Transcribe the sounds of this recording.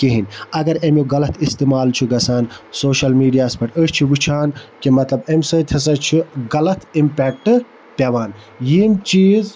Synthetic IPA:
keɦinɐɡɐɾemjoɡɐlɐt̪ʰist̪imaːlt͡ʃʰiɡɐsaːnsoːʃɐlmiːɖijaːspɐʈəːʃt͡ʃʰiʋɨt͡ʃʰaːnkimɐt̪lɐbemsɐːt̪ʲʰɐs̬ɐt͡ʃʰiɡɐlɐt̪ʰimpʲeːk̚ʈɨ | pʲɐʋaːn | jiːmt͡ʃiːz

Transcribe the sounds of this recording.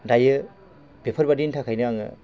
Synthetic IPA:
dajɯ | b̥epʰəɾbadintʰakʰajnɯaŋɯ̰

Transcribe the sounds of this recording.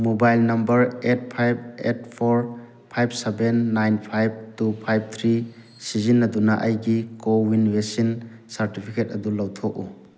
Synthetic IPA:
mobajlnɐmbɐɾet̚pʰajb̚et̚pʰɔɾ | pʰajb̚sebenːajnpʰajb̚tupʰajb̚t̪ʰɾi | sizinːɐdunaʔajɡikowinwesinsaɾtipʰiket̚ɐdulɐwtʰɔk̚u

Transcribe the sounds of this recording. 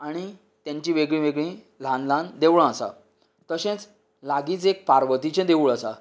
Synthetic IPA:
aɽ̃i | t̪jãɲt͡ɕĩʋeɡɭĩʋeɡɭĩ | lãnlãnd̪eʋɭãasa̰ | t̪əɕẽt͡s | laɡiːt͡sek̚paɾʋət̪it͡ɕẽd̪euɭasa

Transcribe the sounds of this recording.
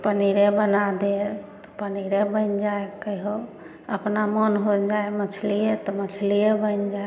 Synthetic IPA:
pəniɾebənad̪et̪ɔ̥pəniɾebənd͡ʒaekəiɦo | əpnamənɦod͡ʒaemət͡ʃʰliet̪ɔmət͡ʃʰliebənd͡ʒae

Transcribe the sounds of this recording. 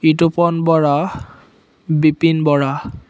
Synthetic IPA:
itupɔnbɔɹa | bipinbɔɹa

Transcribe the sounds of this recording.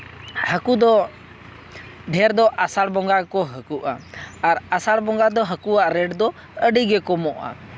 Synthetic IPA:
həkud̪ɔ | ɖʱɛɾd̪ɔʔasaɽbɔŋɡakɔɦəkuʔa̰aɾasaɽbɔŋɡad̪ɔɦəkuaʔɾɛɖd̪ɔ | əɖiɡɛkɔmɔʔa̰

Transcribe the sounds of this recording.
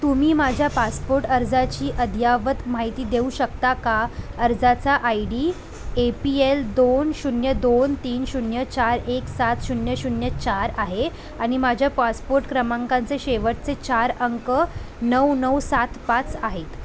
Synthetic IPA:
t̪umiːmad͡ʑʱjapaspoɾʈəɾd͡zat͡ɕiːʔəd̪ʱjaʋət̪maɦit̪iːd̪euːɕək̚t̪akaəɾd͡zat͡saʔaiɽiː | epield̪onɕunjəd̪ont̪iːnɕunjət͡ɕaɾeksat̪ɕunjəɕunjət͡ɕaɾaɦe | aɽ̃imad͡ʑʱjapaspoɾʈkɾəmãŋkãnt͡seɕeʋəʈ̚t͡set͡ɕaɾəŋkə | nəwnəwsat̪ʰpat͡saɦet̪

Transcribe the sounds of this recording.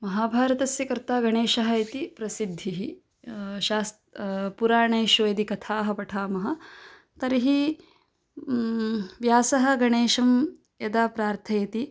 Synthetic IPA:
mɐɦaːbʱaːɾɐt̪ɐsjɐkɐɾt̪aːɡɐɳeːʃɐɦɐit̪ipɾɐsid̪ʱːiɦi | ʃaːst̪puɾaːɳɐjʃojɐd̪ikɐt̪ʰaːɦɐ̆pɐʈʰaːmɐɦɐ̆ | t̪ɐɾiɦi | ʋjaːsɐɦɐ̆ɡɐɳeːʃɐm | jɐd̪aːpɾaːɾt̪ʰɐjɐt̪i

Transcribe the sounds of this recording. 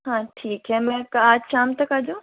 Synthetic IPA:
ɦãːʈʰiːkɦɛmɛ̃kaːd͡ʑʃaːmt̪ɐkaːd͡ʑõː

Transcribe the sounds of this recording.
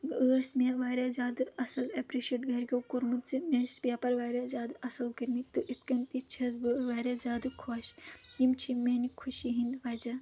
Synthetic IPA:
əːsmeʋaːɾezʲaːd̪ɐsɐlɐpɾiʃeːʈɡɐɾkʲoːkuɾmɨt̪zɨmeːsbʲjaːpɐɾʋaːɾezʲaːd̪ɐsɐlkɐɾmit̪ɨʔit̪kɐnt̪it͡ʃʰɐz̬bɨʋaːɾezʲaːd̪ɨkʰoːʃjimt͡ʃʰimeːnikʰuʃiɦinʋɐːd͡ʒa

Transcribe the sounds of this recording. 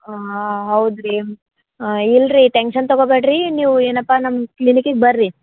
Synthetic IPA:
ɦɐwd̪ɾi | ilɾiʈeŋkʂɐnt̪ɔɡobeʈɾiniːʋueːnɐpːanɐmːklinikiɡ̚bɐɾːi

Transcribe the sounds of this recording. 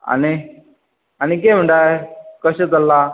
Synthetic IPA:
a̰ni | anik̬em̤əɳʈakəɕet̪əlːa

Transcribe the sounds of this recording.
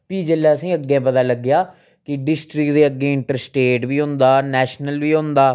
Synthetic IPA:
piːd͡ʒəlːaːəsĩːəɡːẽːpət̪aːləɡːɪjaː | kɪɖɪsʈɾɪkd̪eːəɡːeːɪɳʈəɾsʈeːʈbiːɦʊ̃nd̪aːnɛːʃnəlʋiːɦõnd̪aː

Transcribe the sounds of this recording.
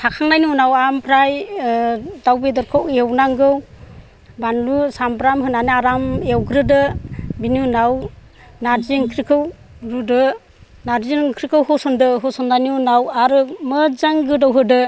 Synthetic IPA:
tʰakʰaŋnajnunawampʰɾaj | dawbedɔɾkʰɔwewnaŋɡɯw | banlusampɾamɦɯnanɯaɾamewɡɾɯdɯbinunaw | naɾziŋkʰɾikʰɯw | ɾudɯ | naɾziŋkʰɾikʰɯwɦɔsɔndɯɦɔsɔnːajnunawaɾɯmɯzaŋɡɯdawɦɯdɯ

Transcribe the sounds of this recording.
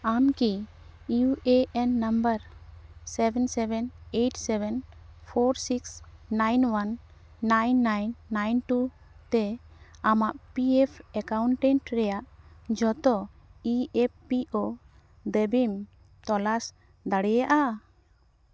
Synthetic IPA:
anki | juʔeʔɛnːambəɾsɛbɛnsɛbɛneʈsɛbɛnpʰɔɾsiksːajnwanː | ajnːajnːajnʈu | t̪ɛamaʔpiɛpʰɛkawɳʈɛ̃ɳʈɾɛjaʔd͡ʒɔt̪ɔ | iɛp̚piʔo | d̪ebim | t̪ɔlas | d̪aɽɛjaʔa

